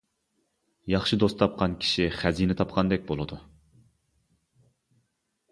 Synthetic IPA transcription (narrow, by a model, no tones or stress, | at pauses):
jɑχʃɨd̪ost̪ʰɑp̚qʰɑnkʲʰi̥ʃiχæzinɪt̪ʰɑp̚qʰɑnd̪ɛk̚ʲbolˠɨd̪u